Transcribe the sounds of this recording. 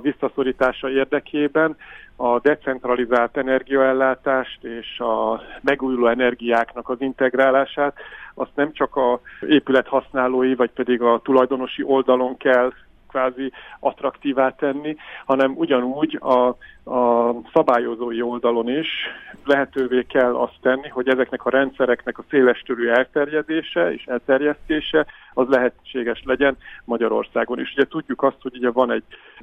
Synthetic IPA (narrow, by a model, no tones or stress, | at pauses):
visːɒso̞ɾiːt̪aːʃɒeːrd̪ɛkʰeːbɛnɒd̪ɛt̪sɛnt̪rɒlizaːlt̪ɛnɛrɡijɒɛlːaːt̪aːʃt̪eːʃɒmɛɡuːjuloːɛnɛrɡijaːknɒkɒzint̪ɛɡraːlaːʃaːt̪ɒst̪nɛmt͡ʃɒkɒeːpylɛt̪hɒsnaːloːjivɒcpɛd̪iɡɒt̪ulɒjd̪o̞no̞ʃiʔo̞ld̪ɒlo̞ŋkɛlː | kʋvaːziɒt̪rɒkt̪iːvaːt̪ɛnːihɒnɛmuɟɒnuːɟɒ | sɒbaːjo̞zoːjio̞ld̪ɒlo̞niʃlɛɦɛt̪øːveːkɛlːɒst̪ːɛnːiɦo̞ɟɛzɛknɛkɒɾɛnt̪sɛɾɛknɛkɒseːlɛʃt̪øɾyːɛlt̪ɛrjɛd̪eːʃɛḛːʃɛlt̪ɛrjɛst̪eːʃɛ | ɒzlɛɦɛt͡ʃːeːɡɛʃlɛɟɛnmɒɟɒɾo̞̰rsaːɡo̞nḛːʃuɟɛt̪uɟːukɒst̪ho̞ɟuɟɛvɒnɛɟ̥̚